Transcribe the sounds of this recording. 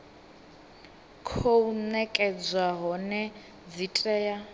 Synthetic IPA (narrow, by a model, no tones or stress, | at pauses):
kʰounɛkʼɛd͡zwaɦɔnɛ | d͡zitʼɛːja